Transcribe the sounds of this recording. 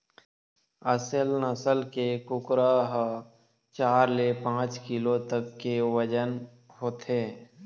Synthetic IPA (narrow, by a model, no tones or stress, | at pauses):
əsəlnəsəlkekʊkɾaɦ | t͡ʃaːɾlepãːt͡ʃkɪlot̪əkːeʋəd͡ʒən | hoːt̪ʰeː